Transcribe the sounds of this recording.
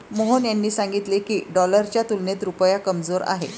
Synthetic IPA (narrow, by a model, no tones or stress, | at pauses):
moɦənjanːiːsãŋɡit̪lekiːɖɔləɾt͡ɕjat̪ulnet̪ɾupəjakəmd͡zoɾa̰ɦḛ